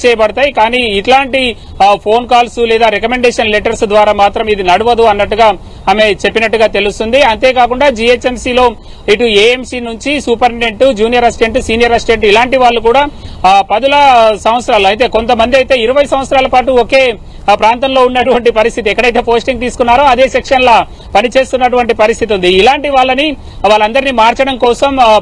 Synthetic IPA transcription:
t͡ʃɛːjɐbɐɽɐt̪aːjikaːniːiʈlaːɳʈi | pʰo̞ːnkaːlsulɛːd̪aːɾekɐme̞ɳɖeːʂɐnleʈɐɾsd̪ʋaːɾaːmaːt̪ɾɐmid̪inɐɽuʋɐd̪uɐnːɐʈːuɡaː | aːme̞t͡ʃe̞pːinɐʈːuɡaːt̪e̞lust̪und̪iɐnt̪e̞ːkaːkuɳɖaːd͡ʒiet͡ʃe̞msiːlo̞ː | iʈueːemsinuɲt͡ʃisuːpɐɾneɳʈud͡ʒuːnijɐɾɐsʈe̞ɳʈusiːnijɐɾɐsɖe̞ɳʈilaːɳʈiʋaːɭːukuːɽaːpɐd̪ulɐsɐmʋɐt̪sɾaːluɐjt̪̬e̞ːko̞nt̪ɐmɐnd̪iɐjt̪e̞ːiɾɐʋɐjsɐm̃ʋɐt̪sɐɾaːlɐpaːʈuɔke̞ː | pɾaːnt̪ɐmlo̞ːunːɐʈuʋɐɳʈipɐɾist̪ʰit̪iɛkːɐɽɐjt̪e̞ːpo̞ːsʈiŋɡt̪iːsu̥kunːaːɾoɐd̪e̞ːsekʂɐnla | pɐnit͡ʃe̞ːst̪unːɐʈuʋɐɳʈipɐɾist̪ʰit̪iund̪iːlaːɳʈiʋaːɭːɐni | ʋaːɭːɐnd̪ɐɾinimaːɾt͡ʃɐɽɐmkɔːsɐm

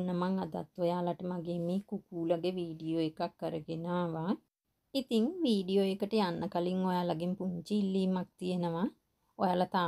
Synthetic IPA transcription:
nəmaŋad̪a̰t̪ojaːlaʈəmaɡeːmeːkukuːlaɡeʋiːɖijoekakːəɾəɡenaːʋa | it̪iŋʋiːɖijoekəʈəjanːəkaliŋojaːlaɡempuɲt͡ʃiilːiːmak̚t̪ijenəʋa | ojaːlat̪aː

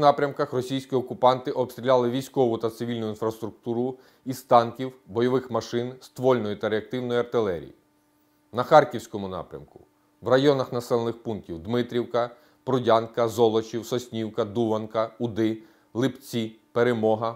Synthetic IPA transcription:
nɑpɾʲɐmkɐxrɔsʲijsʲkʲiɔkʊpɑnt̪ɪʔɔbst̪ɾʲilʲɑlˠɪʋʲijsʲkɔʋʊt̪ɐt̪sɪʋʲilʲnʊinfɾɐst̪ɾʊk̚t̪uɾʊ | ist̪ɑnkʲiwbɔjɔʋɪxmɐʃɪnst̪ʋɔlʲnɔjit̪ɐɾeɐk̚t̪ɪwnɔjiɐrt̪ɪlˠɛɾʲḭji | nɐxɑrkʲiwsʲkɔmʊnɑ̰pɾʲɐ̰mkʊ | wrɐjɔnɐxnɐsɛlˠenɪxpunk̚tʲiwd̪mɪt̪ɾʲiwkɐ | pɾʊdʲɑnkɐzɔlˠɔt͡ʃiwsɔsʲnʲiwkɐd̪uʋɐnkɐʊd̪ɪ | lˠɪpt͡sʲipeɾemɔɦɐ

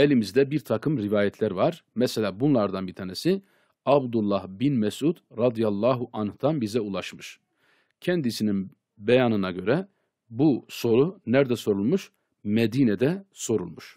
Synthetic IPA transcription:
elʲimizd̪ɛbiɾt̪ʰakʰɯmɾivaːjɛt̪ʰlʲæɾvaɾmɛselʲaːbunlˠaɾd̪anbit̪ʰaːnɛsi | abd̪ulˠːahbinmɛsʔud̪ɾad̪ijalˠːaːɦuʔanhd̪̥anbizɛulˠaʃmɯʃ | cʰɛnd̪isinin | bejanɯnaɟø̞ɾɛ | buso̞ɾunæɾd̪ɛso̞ɾulˠmuʃ | med̪iːnɛd̪ɛso̞ɾṵlˠmuʃ

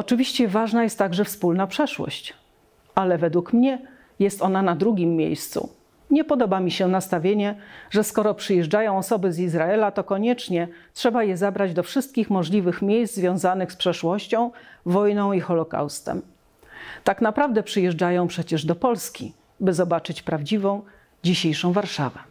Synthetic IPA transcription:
ɔt͡ʂɘvʲiɕt͡ɕɛvaʐnajɛst̪ːaɡʐɛfspulnapʂɛʂwɔ̰ɕt͡ɕ | alɛvɛd̪wukmɲɛ | jɛst̪ɔnanad̪ɾuɡʲimːjḛjst̪sṵ | ɲɛpɔd̪ɔbamʲiɕɛnast̪avʲjeɲɛʐɛskɔɾɔpʂɘjɛʐd͡ʐajɔ̃w̃ɔsɔbɘzizɾaɛlat̪ɔkɔɲɛt͡ʂɲɛtʂɛbajɛzabɾad͡ʑd̪ɔfʂɘst̪kʲixmɔʐlʲivɘxmʲjejszd̪zvʲjɔ̃w̃zanɘxspʂɛʂwɔɕt͡ɕɔ̃w̃vɔjnɔ̃w̃ixɔlɔka̰wst̪ɛ̰m | t̪aknapɾavd̪ɛpʂɘjɛʐd͡ʐajɔ̃w̃pʂɛt͡ɕɛʐd̪ɔpɔlskʲḭ | bɘzɔbat͡ʂɘt͡ɕpɾavd͡ʑivɔ̃w̃ | d͡ʑiɕejʂɔ̃w̃vaɾʂavɛ

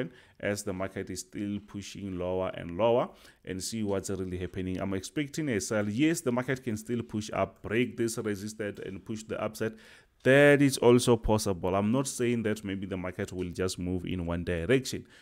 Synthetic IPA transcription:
n | ʔɛsðəmakʰɛtizsstilpʰuʃĩŋlowaʔɛ̰̃ndlowaʔɛ̰̃ndsiwɔtsɹilihɛpʰɛnĩŋã̰jmɛkspɛk̚tʰĩŋɛsɛljɛsðəmakɛtkʰɛ̃nstilpʰuʃa̰p̚b̥ɹek̚disɹɛzistɛtʰɛ̰̃ndpʰuʃðəʔapsɛt | ðɛtitsɔlsopʰɔsɛbɔlãjmnɔtsejĩŋðɛtmebiðəmakʰɛtʰwild͡ʒastmuvḭ̃nwãndajɹɛkʃɔ̃n

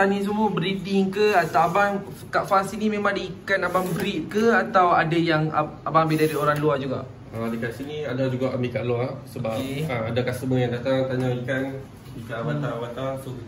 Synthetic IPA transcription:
anĩs̬əmubɾidiŋkəat̪aaban | kaʔfasinimẽmãŋdiikanabaŋbɾit̪̚kəat̪awa̰dajaŋa̰abaŋabidaɾioɾaŋluad͡ʒuɡa̰ʔ | adikansiniadad͡ʒuɡaʔamikaʔluasəbap̚aadakasəməjaŋdat̪aŋt̪aɲaikan | ikanawanaawant̪aso

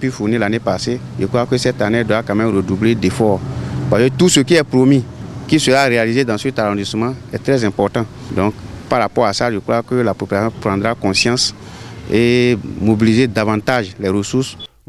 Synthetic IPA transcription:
pɥifunilanepaseʒekɾwakøsɛt̪anedwakãmɛmɾødubledefɔpaket̪usøkiɛpɾomikisøɾaɾealized̪ãset̪aɾɔ̃d̪isəmãɛt̪ɾɛzɛ̃pɔɾt̪ã | d̪ɔ̃kpaɾapɔɾasaʒekɾwakølapopylasjɔ̃pɾãd̪ɾakɔ̃sjãs | emobilized̪avãt̪aʒlɛɾøsus

